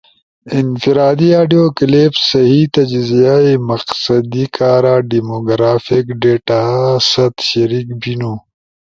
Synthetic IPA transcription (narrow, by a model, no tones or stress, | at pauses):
infiɾaːd̪iaːɖijoːklebsɐɦit̪ɐd͡ʒzijaemɐqsɐd̪ikaːɾaːɖimoːɡɾaːfikɖeːʈasɐt̪ɕɐɾik̚binoː